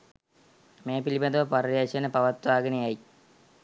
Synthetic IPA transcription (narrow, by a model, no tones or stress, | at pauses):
meːpilibɐd̪əʋəpaɾasenəpaʋat̪ʋaːɡənejaj